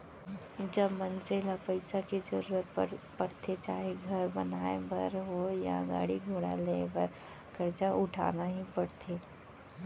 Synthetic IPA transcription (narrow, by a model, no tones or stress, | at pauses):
d͡ʒɐbmɐnzelapɐɪsakid͡ʒə̰ɾuːɾət̪̚pɐɽt̪ʰet͡ʃaːɦeɡʱɐɾbɐnaːebɐɾɦoja̰ɡa̰ːɽiɡʱoːɽa̰lebəɾ | kɐɾt͡ʃaʔʊʈʰa̰ːnaɦipɐɽt̪ʰeː